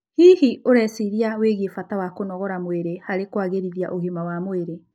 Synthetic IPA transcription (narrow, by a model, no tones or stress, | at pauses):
hihiʔoɾɛsiɾiaweɣefatawakonɔɣɔɾamweɾehaɾekwaɣeɾiðja̰ʔoɣimawamweɾe